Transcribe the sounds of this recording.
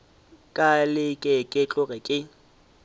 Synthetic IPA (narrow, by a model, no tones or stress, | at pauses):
kʼalɪkʼekʼɪt͡ɬʼʊɣɪkʼɪ